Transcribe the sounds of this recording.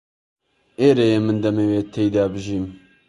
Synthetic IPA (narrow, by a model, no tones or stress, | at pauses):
eːɾejeːmɨnd̪ɛmeːweːt̪ʰɛjd̪aːbɨʒiːm